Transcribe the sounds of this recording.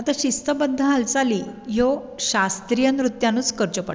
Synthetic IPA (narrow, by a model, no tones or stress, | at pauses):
at̪aɕist̪əbənd̪ʱːəɦalt͡saliːjo | ɕast̪ɾijənɾut̪jãnuːt͡skəɾt͡ɕəpə